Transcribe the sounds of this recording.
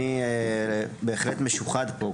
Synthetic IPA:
iebeːχlet̪meʃuχad̪po

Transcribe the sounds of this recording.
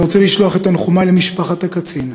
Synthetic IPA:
ot͡seliʃloaχe̞t̪anχumalemiʃpaχat̪akat͡sin

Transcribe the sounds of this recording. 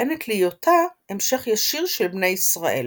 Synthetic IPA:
enetʰlijotʰaemʃe̞χjaʃiʁʃelbne̞jisʁaʔḛl

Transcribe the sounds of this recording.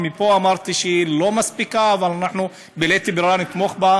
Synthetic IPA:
mipoamaɾt̪iʃilomaspikaːvalanaħnu | belet̪ibɾɾanit̪moχba

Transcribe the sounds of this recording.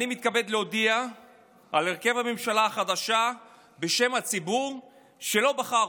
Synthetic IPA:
nimit̪̚kabe̞d̪leod̪ia | ale̞ʁke̞vhame̞mʃalaːχad̪aʃa | be̞ʃe̞mhat͡sibuʁ | ʃe̞lo̞baχa

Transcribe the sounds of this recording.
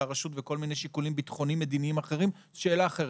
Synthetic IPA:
aʁaʃut̪veko̞lminejʃikulimbit̪χo̞nimːe̞d̪iniimaχe̞ʁim | ʃe̞ːlaːχe

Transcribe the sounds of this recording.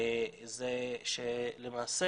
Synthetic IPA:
zeʃelemaːse

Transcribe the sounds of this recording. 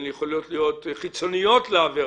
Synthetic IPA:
njeχolijo̞tlijo̞tχit͡so̞nijo̞tleave

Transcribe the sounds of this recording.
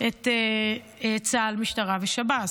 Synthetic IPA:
ete | et͡salmiʃtaʁaveʃabat

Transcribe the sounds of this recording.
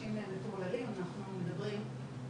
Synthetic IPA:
imemetolalimanaχnumed̪abʁim

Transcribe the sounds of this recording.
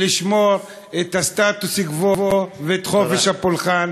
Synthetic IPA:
liʃmo̞ʁ | et̪hast̪at̪ushiɡvovoveːt̪χo̞feʃhapolχan

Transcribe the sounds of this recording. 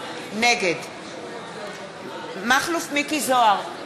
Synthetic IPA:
neɡed̪ | maχlufmikizoaʁ

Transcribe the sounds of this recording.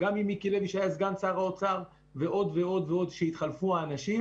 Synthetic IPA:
ɡamimikileviʃajazɡant͡saʁaot͡saʁ | veʔo̞d̪veo̞d̪veo̞d̪ʃeit̪χalfuaːnaʃi

